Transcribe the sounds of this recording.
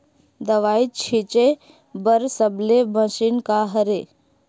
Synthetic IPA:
d̪əʋaːit͡ʃʰit͡ʃe | bəɾsəblebə̃sinkaɦəɾe

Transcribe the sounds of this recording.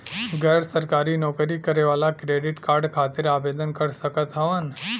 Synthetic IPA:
ɡəjɾsəɾkaːɾinɔːkɾikɐɾeʋaːlakɾeːɖɪʈkaːɾɖkʰaːt̪ɪɾaːbeːd̪ənkɐɾsɐkət̪ɦɐʋən

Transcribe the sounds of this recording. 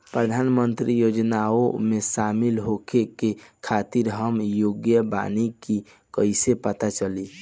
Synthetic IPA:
pɾəd̪ʱanmənt̪ɾijod͡ʒnaomesamilɦokekekʰat̪iɾɦəmjoɡjəba̰niki | kəisepət̪at͡ʃəli

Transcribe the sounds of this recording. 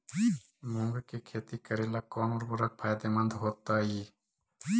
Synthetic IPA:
mʊ̃ŋɡkekʰeːt̪ikəɾelakɔːnoːɾbʊɾak̚pʰaːjd̪emə̃nd̪ɦoːt̪ːaiː

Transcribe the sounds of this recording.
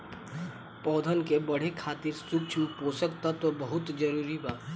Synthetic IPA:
pɔːd̪ʱəlkebɐɽ̤ekʰaːt̪ɪɾsʊk̚t͡ʃʰũpoːsəkt̪at̪obɐɦʊt̪d͡ʒəɾuːɾibaː

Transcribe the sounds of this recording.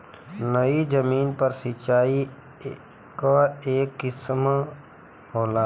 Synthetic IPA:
nəid͡ʒəmiːnpəɾsɪt͡ʃaːi | kaeːkːɪsm | ɦoːlaː

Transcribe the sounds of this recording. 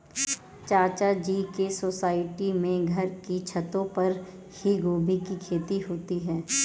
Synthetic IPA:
t͡ʃaːt͡ʃad͡ʒiːkesoːsaːɪʈimẽɡʱɐɾkit͡ʃʰɐt̪õpɐɾ | hiɡoːbʱikikʰeːt̪iɦoːt̪iɦɛː

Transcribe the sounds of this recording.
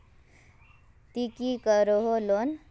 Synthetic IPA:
t̪ikikəɾoɦolon

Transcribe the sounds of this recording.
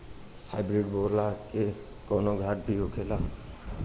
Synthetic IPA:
haɪbɾɪɖboːɾlake | koːnoɡʱaʈ̚bʱiɦokʰela

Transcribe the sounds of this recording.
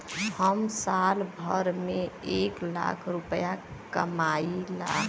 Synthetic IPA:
həmsalbʱəɾmeekla̰kʰɾupəjakəmaila̰

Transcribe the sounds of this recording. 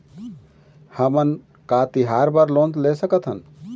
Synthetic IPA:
həmən | kat̪iɦaɾbəɾlont̪lesəkət̪ʰɦə̰n

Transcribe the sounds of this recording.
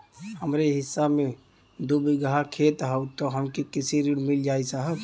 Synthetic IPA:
həmɾeɦɪsːame | d̪ubiɡɦakʰet̪ɦəut̪ɔɦəmkekisiɾiɽmild͡ʒaisaɦə

